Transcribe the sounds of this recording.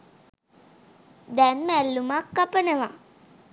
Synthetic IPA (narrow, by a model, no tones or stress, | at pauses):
d̪ɛnmælːumakːəpənəʋa